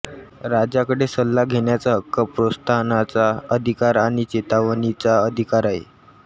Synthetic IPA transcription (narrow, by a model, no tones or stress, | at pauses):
ɾad͡ʑakəɽesəlːaɡʱeɳjat͡səɦəkːəpɾost̪ʰanat͡saəd̪ʱikaɾaɽ̃it͡ɕet̪aʋənit͡saəd̪ʱikaɾaɦḛ